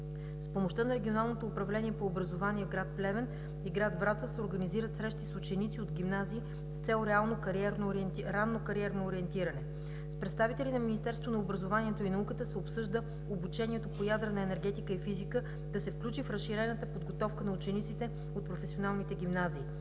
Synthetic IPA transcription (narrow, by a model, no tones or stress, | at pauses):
spomoʃt̪ɤnɐɾɛɡʲionalˠnot̪oːpɾɐvlɛniɛpoːbɾɐzovaniɛɡɾat̪̚plɛvɛn | iɡɾad̪vɾat̪səsɛoɾɡəniziɾət̪sɾɛʃt̪isʊt͡ʃɛnit̪siod̪ɡʲimnaziː | st̪sɛlˠɾɛalˠnokɛɾnoɾanːokɐɾiɛɾnoːɾiɛnt̪iɾənɛ | spɾɛt̪st̪avit̪ɛlinɐminist̪ɛɾst̪vonɐobɾəzovaniɛt̪oinɐukət̪əsɛopsɤʒd̪ə | obut͡ʃɛniɛt̪opojad̪ɾənɐɛnɛɾɡɛt̪ikəifizikə | d̪̥ɐsɛfklʲut͡ʃifɾəsʃiɾɛnət̪əpod̪ɡot̪ɔfkənɐut͡ʃɛnit̪sit̪ɛ | ot̪̚pɾofɛsionalˠnit̪ɛɡʲimnaziː